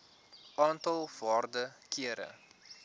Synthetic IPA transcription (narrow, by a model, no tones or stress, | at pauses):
ʔɑːntɐlˠv̥ɑːrdəkiəɾə̰